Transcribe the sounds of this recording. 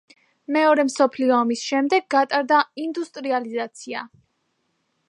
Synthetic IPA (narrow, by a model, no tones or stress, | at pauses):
mɛɔɾɛmsɔpʰliɔamisʃɛmd̪ɛɡːat̪ʼaɾd̪aind̪ust̪ʼɾializat̪sʰia